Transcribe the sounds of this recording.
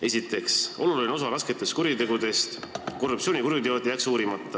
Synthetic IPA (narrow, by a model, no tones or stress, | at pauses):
e̞sʲit̪ːˑe̞kso̞lulono̞s̬ɑɾɑsket̪ːˑe̞st̪kuɾjit̪e̞ɡud̪e̞st̪ko̞rːup̪̚sioːnʲikuɾjud̪eo̞d̪̥ʲjæksuːɾimɑt̪ˑːɑ